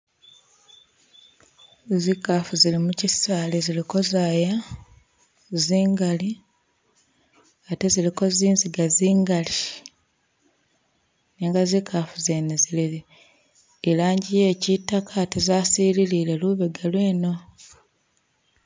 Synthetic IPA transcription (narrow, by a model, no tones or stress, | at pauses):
zikafuzilimucisaːleziliko̞zaːja | ziːŋɡali | ate̞ziliko̞ziːnziɡaziːŋɡali | neːŋɡazikʰafuzeneziliiː | laːɲɟije̞ːcitːakʰaːte̞zaːsiːlilileluβeɡalwe̞ːno̞